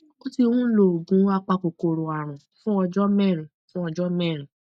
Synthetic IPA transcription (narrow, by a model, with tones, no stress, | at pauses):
o˦ti˧wũ˦lo˨ɡũ˨˦a˧k͡pa˧ko˨ko˧˨ɾo˨a˨ɾ̃ũ˨fũ˦ɔ˧d͡ʒɔ˦mɛ˦˨ɾ̃ĩ˨fũ˦ɔ˧d͡ʒɔ˦mɛ˦˨ɾĩ˨